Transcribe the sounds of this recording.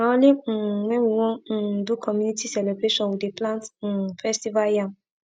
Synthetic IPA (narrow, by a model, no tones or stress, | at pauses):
ɔ̃lĩmɛ̃muwɔ̃d̪ukʰɔmynitʰisɛlebɾeʃɔ̃nudeplãnt̩fɛstivaljã